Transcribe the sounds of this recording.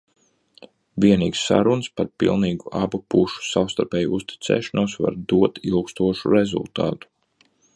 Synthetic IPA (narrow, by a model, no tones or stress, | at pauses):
viɛnḭːɡsːa̰ɾunspaɾpḭlˠniːɡuʔabupuʃu̥sawst̪aɾpʲɛːjuust̪i̥t̪sɛ̰ːʃɔnuɔsva̰ɾd̪uɔt̪ilˠkst̪uɔʃuɾezṵlˠt̪a̰ːt̪u̥